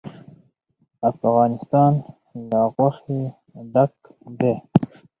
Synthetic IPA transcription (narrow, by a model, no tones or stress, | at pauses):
afɣɑːnɪst̪ɑːn | lɑːɣwaxi | ɖak̚ | d̪e